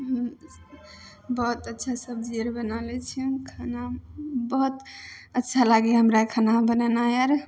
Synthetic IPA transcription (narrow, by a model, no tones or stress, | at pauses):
ɦəm | bəɦut̪ətːʃʰasəb̚d͡ʒiɾbənalɛt͡ʃʰikʰanabəɦut̪ətːʃʰalaɡiɦəmɾakʰanabənənajaɾ